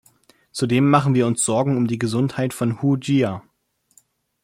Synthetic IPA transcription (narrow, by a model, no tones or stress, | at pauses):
t͡sudeːmːaχn̩viːɐʊnsz̥ɔɐɡŋ̩ʊmdiːɡəzʊnthaɪtfɔnhud͡ʒia